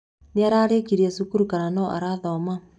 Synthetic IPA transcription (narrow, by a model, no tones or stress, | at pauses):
neaɾaːɾekiɾiasukuɾukaɾanɔʔa̰ɾaðɔma